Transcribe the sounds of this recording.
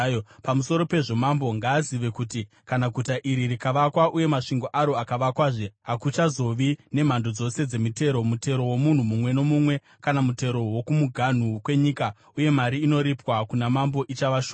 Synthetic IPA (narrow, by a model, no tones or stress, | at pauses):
pamuso̞ɾo̞pe̞ʐo̞mambo̞ŋɡaːziʋe̞kuti | kanaɡʱutaʔiɾirikaʋakwaʔuje̞maʂiŋɡo̞ʔaɾo̞akaʋakwaːʐeakut͡ʃazo̞ʋine̞m̤ando̞d͡zo̞se̞d͡ze̞mite̞ɾo̞mute̞ɾo̞womun̤umumwe̞no̞mumwe̞ | kanamute̞ɾo̞wo̞kumuɡʱan̤ukwe̞ɲiːka | uje̞maɾiːno̞ɾipwakunamambo̞ʔit͡ʃaʋaʃoː